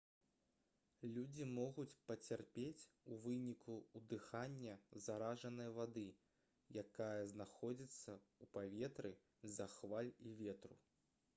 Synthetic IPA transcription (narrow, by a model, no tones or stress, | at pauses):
lʲud͡zʲimɔɣut͡sʲpɐt͡sʲarpʲet͡sʲ | uvɨnʲikʰuud̪ɨxanʲːɐzaɾaʐɐnɨjɐvad̪ɨ | jakajɐznaxɔd͡zʲit̪sːɐupavʲɛt̪ɾɨ | zɐxvalʲivʲɛt̪ɾu